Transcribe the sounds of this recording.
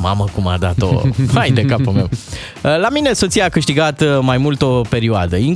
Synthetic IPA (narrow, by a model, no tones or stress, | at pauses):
ma̰məkuma̰d̪at̪o̰ajd̪ekapomem | əlamine̞so̞t̪sijakɨʃt̪iɡat̪majmult̪o̞pe̞ɾioad̪əiŋ